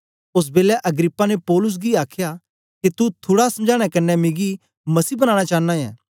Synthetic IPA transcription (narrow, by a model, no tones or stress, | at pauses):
ʊs̬beːlɛʔɐɡɾɪpːanepɔːlʊs̬ɡiaːkʰja | kit̪ut̪ʰuːɽasɐmd͡ʒaːɽ̃ɛkɐnːɛmɪɡi | mɐsiːbɐñaːɽ̃at͡ʃaːnãjɛ̰̃ː